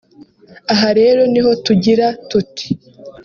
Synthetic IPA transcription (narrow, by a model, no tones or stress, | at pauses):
aɦaɾe̞ːɾo̞niho̞tuɟiɾatuti̥